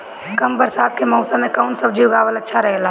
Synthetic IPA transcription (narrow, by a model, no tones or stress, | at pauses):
kəmbəɾsaːt̪kemɔʊsamẽkaʊnsəbd͡ʒiʊɡaːʋələtːʃʰaɾəɦela